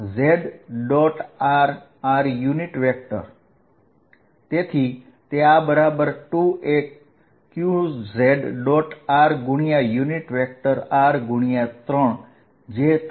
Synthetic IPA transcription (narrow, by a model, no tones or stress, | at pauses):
zeɖɖɔʈaɾ | aɾjuniʈʋek̚ʈə̰ɾ | t̪et̪ʰi | t̪eabəɾabəɾʈuʔek | kjuzeɖɖɔʈaɾɡʊɳ̃ijajuniʈʋek̚ʈəɾaɾɡʊɳ̃ijat̪ɾəɳ | d͡ʒet̪